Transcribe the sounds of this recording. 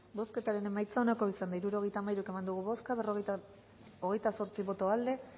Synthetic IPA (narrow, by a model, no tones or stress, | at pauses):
bo̞ske̞t̪aɾe̞ne̞majt͡sao̞nako̞isand̪aiɾuɾo̞ɣ̞e̞jt̪aːmajɾuke̞mand̪uɣ̞uβo̞skaβeroɣ | oɣ̞e̞jt̪aso̞ɾt͡siβo̞t̪oald̪e̞